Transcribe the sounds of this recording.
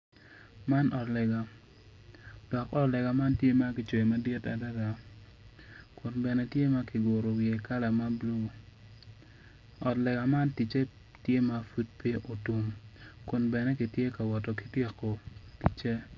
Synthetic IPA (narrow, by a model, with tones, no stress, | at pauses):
ma˦nʔɔ˨tlɛ˨ɡa˨ | d̥ɔ˨kɔ˦tlɛ˨ɡa˨ma˦ntje˦ma˦kɪ˨t͡ʃo˨ma˦dɪ˦ta˨da˦ɡa˨ | kʊ˨nbɛ˨nɛ˦tje˦ma˦ki˨ɡo˨ɾo˨wɪ˨e˨ka˦la˨ma˦blu˦ | ɔ˨tlɛ˨ɡa˨ma˦nti˨t͡ʃe˦ | tje˦ma˦fu˦t̚pe˦ʔo˨tu˨mkʊ˨nbɛ˨nɛ˦ki˨tje˦ka˨wɔ˨tɔ˨ki̥˨tje˦ko˨ti˨t͡ʃe˦